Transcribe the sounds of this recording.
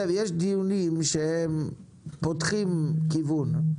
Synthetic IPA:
evjeʃd̪iunimʃehem | pot̪χimkivun

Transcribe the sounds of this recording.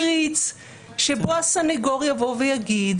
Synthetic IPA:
ʁit͡s | ʃeboasaneɡoʁjavo̞vejaɡid̪

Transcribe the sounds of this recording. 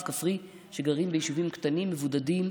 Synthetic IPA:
kafʁi | ʃe̞ɡaʁimbejiʃuvimkt̪animːevud̪adim

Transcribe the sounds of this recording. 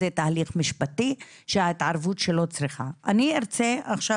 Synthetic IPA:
et̪aːliχmiʃpat̪i | ʃehait̪ʕaɾvutʃe̞lo̞t͡sɾiχaʔanieɾt͡seaχʃa

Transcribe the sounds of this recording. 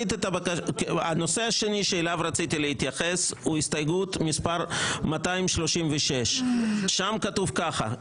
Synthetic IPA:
it̪et̪abakaa̰no̞se̞aʃe̞niʃeːlavɾat͡sit̪ilehit̪jaχesuist̪ajɡut̪mispaɾmat̪ajmʃlo̞ʃimveʃeʃʃamkat̪uvkaχa̰

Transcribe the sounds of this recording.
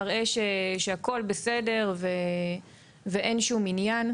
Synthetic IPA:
ʁe̞ʃeʃeako̞lbese̞de̞ʁve | veʔe̞nʃuminjan

